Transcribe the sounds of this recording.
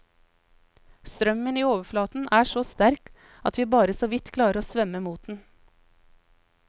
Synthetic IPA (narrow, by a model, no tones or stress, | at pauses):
st̪ɾœməniːoːʋəflɑːt̪n̩ʔæːʃoːst̪æɾk | ɑt̪ʋiːbɑːɾəsoːʋɪt̪kʰlɑːɾəɾoːsʋœməmuːt̪̚d̪n̩